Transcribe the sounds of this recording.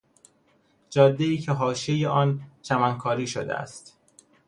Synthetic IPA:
d͡ʒɒːd̪ːe̞iːcʰeɦɒːʃejeʔɒːnt͡ʃʰæmæŋkʰɒːɾiːʃo̰d̪eʔæ̰st̪

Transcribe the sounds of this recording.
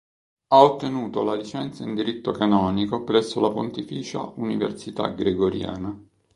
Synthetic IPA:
aot̪ːenuːt̪olalit͡ʃɛnt̪saind̪iɾit̪ːokanɔːnikopɾɛsːolapont̪ifiːt͡ʃa̰ʔunivḛrsit̪a̰ɡɾeɡoɾja̰ːna

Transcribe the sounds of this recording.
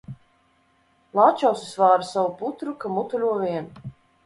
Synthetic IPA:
lˠaːt͡ʃawsisvaːɾasavuput̪ɾukamut̪ulʲuɔvʲiɛn

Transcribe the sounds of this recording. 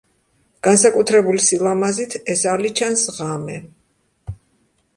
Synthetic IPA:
ɡ̥ansakʼut̪ʰɾɛbulisilˠamazit̪ʰɛsalit͡ʃʰansʁamɛ

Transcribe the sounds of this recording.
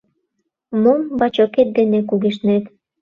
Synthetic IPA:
mombɑt͡ɕoket̪̚d̪enekuɣeʃnet̪

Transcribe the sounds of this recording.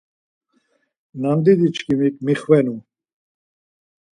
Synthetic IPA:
namd̪id̪it͡ʃkimikmiχwɛnu

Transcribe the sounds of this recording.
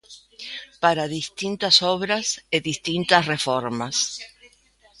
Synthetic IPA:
paɾaðist̪int̪asoβɾaseðist̪int̪asrefoɾmas

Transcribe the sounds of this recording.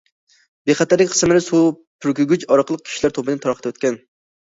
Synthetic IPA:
beχɛt̪æɾlɪkʲqʰə̥smɪɾɪsu | pʰyɾkʲyɡʲyt͡ʃɑɾəqʰəlˠəq̚kʲʰi̥ʃilæɾt̪ʰopɨd̪ɨnt̪ʰɑɾχʰət̪ʰwøt̪kʲɛn

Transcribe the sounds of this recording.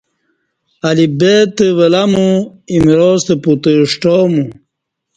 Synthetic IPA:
alibet̪ewelamuimɾoːst̪eput̪eʂʈoːmu

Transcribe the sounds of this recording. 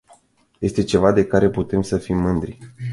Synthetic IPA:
je̞st̪e̞t͡ʃe̞vad̪e̞kaɾe̞put̪e̞msəfimːɨnd̪ɾi

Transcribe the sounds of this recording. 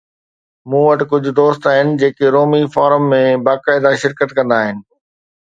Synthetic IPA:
mũːʋɐʈɪkʊd͡ʑʱʊ̆d̪oːst̪aːɦɪnɪ̆d͡ʑeːkeɾoːmifaːɾəmːẽbaːkaːɪd̪aʃɪɾkət̪kɐ̃nd̪aːɦɪnɪ̆

